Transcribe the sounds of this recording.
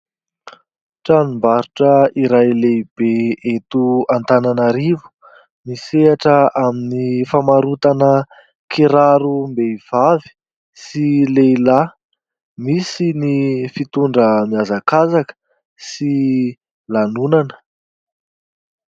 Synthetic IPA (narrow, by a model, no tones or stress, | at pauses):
ʈ͡ʂanimbaɾuʈ͡ʂəiɾajleib̥eet̪uant̪ananaɾivu̥ | miseaʈ͡ʂəʔaminifamaɾut̪anə | kiɾaɾumbeiv̥avi̥ | sileila | misinifit̪uɳɖ͡ʐəmiazakazakə̥ | si | lanunanə̥